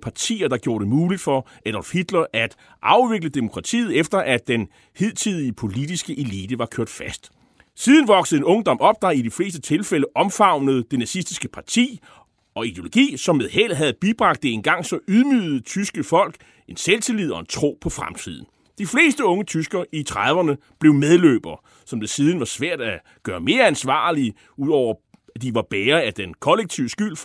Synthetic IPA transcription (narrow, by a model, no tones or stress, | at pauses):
pʰɑ̈t͡sʰḭːɐd̥ɑ̈ɡ̥jo̝ːɐɾ̥e̝muːlid̥fɒ̽ | ʔeɾ̥ɒlfhid̥lɐʔæd̥ | ʔɑ̈ʊʋe̝ɡ̥ləd̥e̝mo̝kʰʁɑ̈t͡sʰḭːð̞̩ˠefd̥ɐʔæd̥en | he̝ð̞̰ˠt͡sʰið̰ˠiəpʰo̝lid̥isɡ̥əʔe̝liːd̥əʋɑ̈kʰøɐ̰d̥fæsd̥ | siːð̞ˠən̩ʋɒ̽ɡ̥səð̩ˠenɔ̽ŋd̥ɒ̽mɒ̽b̥̚d̥ɑ̈id̥ifle̝ːsd̥ət͡sʰe̝lfeləʔɒ̽mfɑ̈ʊ̰nəð̞̩ˠd̥e̝næsisd̥isɡ̥əpʰɑ̈t͡sʰḭː | ʔɒ̽id̥e̝o̝lo̝ɡ̥ḭːsɒ̽mːeðˠhel̰ɦæð̞̩ˠb̥ib̥ʁɑ̈ɡ̥d̥e̝enɡ̥ɑ̈ŋ̰sɒ̽ʔuðˠmyːð̩ˠt͡sʰysɡ̥əfɒ̽l̰ɡ̥ | e̝nselt͡sʰe̝liðˠɒ̽e̝nt͡sʰʁo̝̰ːpʰɒ̽fʁamt͡sʰið̞̰ˠn̩ | d̥ifle̝̰ːsd̥əɔ̽ŋət͡sʰysɡ̥ɐit͡sʰʁɑðˠʋɐnə | b̥le̝ʊmeð̞ˠlø̰ːb̥ɐ | sɒ̽md̥e̝siːð̞ˠn̩ʋɑ̈sʋæɐ̰d̥æ | ɡ̥ɶːɐme̝ːɐænsʋɑ̰̈ːli | uðˠɒʊ̰ɐ | æd̥iʋɑ̈b̥eːɐæd̥enkʰɒ̽leɡ̥̚t͡sʰiʊəsɡ̥yl̰